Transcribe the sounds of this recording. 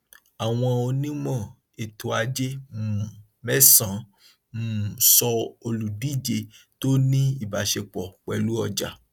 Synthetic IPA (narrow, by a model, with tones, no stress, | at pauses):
a˨w̃ɔ̃˧o˧nĩ˦mɔ̃˦˨ | e˨tʰo˨˦a˧d͡ʒe˦mu˨ | mɛ˦sã˨˦ | mũ˨sɔ˧o˧lu˨di˦˨d͡ʒe˧ | to˦nĩ˦i˦˨ba˨˦ʃe˧k͡pɔ˨k͡pɛ˧˨lu˦ɔ˧d͡ʒa˨